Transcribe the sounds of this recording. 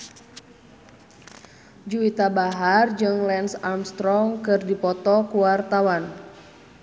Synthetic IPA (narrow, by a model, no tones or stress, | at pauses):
d͡ʒuit̪abaɦard͡ʒɨŋlɛnsamst̪ɾɔŋkɨrdipɔt̪ɔkuwart̪awan